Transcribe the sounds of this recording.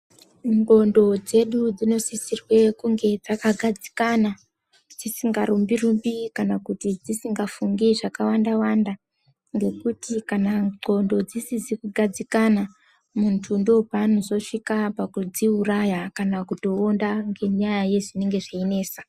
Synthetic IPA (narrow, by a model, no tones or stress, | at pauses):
ŋɡo̞ndo̞d͡ze̞ɗud͡zino̞sisirwe̞kuŋɡe̞d͡zakaɡʱad͡zi̥kana | d͡zisiŋɡaɾumbirumbikanakutid͡zisiŋɡafuŋɡiʐakawandawanda | ŋɡe̞kutikanaŋ͡ǃo̞ndo̞d͡zisid͡zikuɡʱad͡zikana | muntʰundopano̞zo̞ʂikapakud͡ziurajakanakuto̞ːndaŋɡe̞ɲajaje̞ʐine̞ŋɡe̞ʐiine̞ːsa